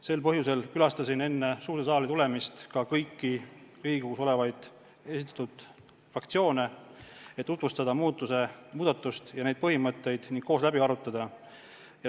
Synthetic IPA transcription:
se̞lpɤɦjuse̞lkylɑst̪ɑsine̞nːe̞suːɾesɑːlit̪ule̞mist̪kɑkɤjkːiriːkekuso̞le̞vɑjd̪̥ | e̞sit̪ːˑɑ̥t̪ud̪̥ | frɑkt̪sio̞ːne̞et̪ːut̪vust̪ɑd̪ɑmuːt̪ːˑuse̞muːd̪̥ɑt̪ːˑust̪jɑne̞d̪̚pɤhimɤt̪ˑːe̞jd̪̥niŋɡ̥k̚ko̞ːslæbiɑɾut̪ːˑɑd̪̥ɑ | jɑ

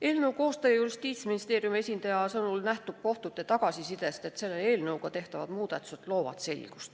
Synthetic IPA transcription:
e̞ːlnɤwko̞ːst̪ɑjɑjurist̪iːt̪sminist̪e̞ːrjumesʲind̪ɑjɑsɤnulnæht̪ub̥̚ko̞ht̪ut̪ːˑe̞t̪ɑɡ̥ɑsisid̪e̞st̪e̞t̪se̞lːee̞ːlnɤwɡɑt̪e̞ht̪ɑvɑ̰d̪̥muːd̪̥ɑt̪ːˑu̥set̪lo̞ːvɑ̰t̪se̞̰lʲɡ̥u̥st̪

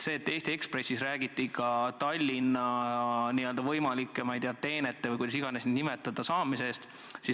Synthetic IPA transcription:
se̞ːt̪ːe̞ːst̪ie̞kspre̞sʲːisræːɡ̥it̪ːˑikɑt̪ɑlʲːinːɑniøld̪ɑvɤjmɑlikːˑemɑjd̪eːɑt̪e̞ːnet̪ːevəɨjkujd̪ɑsiɡ̥ɑnesninimet̪ːˑɑd̪̥ɑsɑːmise̞st̪ | si

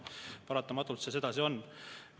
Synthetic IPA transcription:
pɑɾɑt̪ːˑɑmɑt̪ːˑult̪sese̞d̪̥ɑsio̞nː

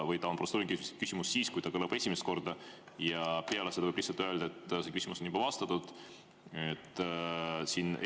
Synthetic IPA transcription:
vɤjt̪ɑnprost̪uːɾiŋkyskysimussiːskujt̪ɑkɤlɑb̥e̞sʲimest̪ko̞rd̪̥ɑ | jɑpeɑlese̥ɑvɤblihsɑlt̪øe̞ld̪ɑet̪ːse̞kysʲimuso̞njub̥ɑvɑst̪ɑt̪ːˑud̪̥ | et̪ːˑsin

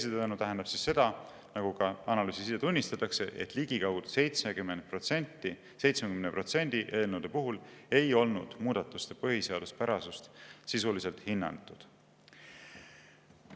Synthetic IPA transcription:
esit̪ænut̪æɦenɑb̥sisːe̞d̪̥ɑ | nɑɡ̥ukɑɑnɑlyːsisiːet̪unʲːist̪ɑt̪ːˑɑkse̞ʔḛt̪ːˑliɡ̥ikɑwd̪̥sejt̪smeɡymend̪̥̚prot̪sent̪ːi | se̞jt̪smekymneprot̪se̞nʲd̪̥iʔe̞ːlnuwd̪̥e̞puɦule̞jo̞lnud̪̥muːd̪ɑt̪ːˑust̪epɤɦiseɑd̪l̥uspæɾɑsust̪sisulise̞lt̪hinːɑ̰nt̪ːˑud̪̥

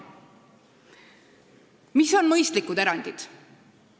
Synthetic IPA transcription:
miso̞nmɤjst̪likːud̪eɾɑnd̪̥id̪̥

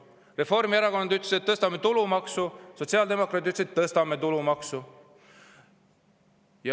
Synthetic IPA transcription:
re̞fo̞rmieɾɑko̞nɑd̪yt̪leset̪ːɤst̪ɑmːe̞t̪ulumɑksuso̞t̪ʲsiɑːld̪e̞mo̞kˑɾɑt̪ːyt̪leset̪ːɤst̪ɑme̞t̪ulumɑksu | jɑ

